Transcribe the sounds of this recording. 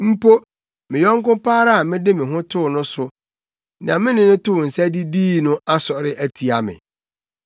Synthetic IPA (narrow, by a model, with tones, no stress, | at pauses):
m̩˦pʰo˦ | mɪ̃˨jɔ̃˦ŋ˦kʊ̃˦pʰaː˦ɾa˦a˨mɪ̃˦dɪ˦mɪ̃˨ɦʊ̃˦tʰʊ˦˨nʊ̃˦sʊ˨ | nã˨mɪ̃˦nɪ̃˨nʊ̃˦tʊ˦˨n̩˨sæ˦di˦diː˦nʊ̃˦a˦sɔ˨ɾɪ˦ʔæ˦tʰi˨a˨mɪ̰̃˨